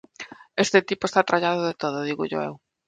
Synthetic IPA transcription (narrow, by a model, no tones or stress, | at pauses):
est̪et̪ipoest̪at̪ɾaʎaðoʊðet̪oð̞ʊðiɣʊ̰ʎo̰ḛw